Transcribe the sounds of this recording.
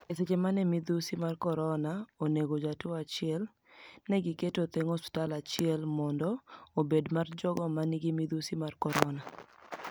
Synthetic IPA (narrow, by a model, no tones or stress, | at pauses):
eset͡ʃemanɛmid̪usimarkɔɾɔnaoneɡod͡ʒatoat͡ʃɪɛl | nɛɡɪketot̪eŋosʊ̥talat͡ʃɪɛlmɔndɔobedmard͡ʒɔɡɔmaniɡimid̪usimarkɔɾɔna